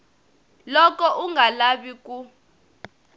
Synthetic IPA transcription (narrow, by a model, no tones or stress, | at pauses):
lɔk̬ɔʔuŋɡalaɓik̬u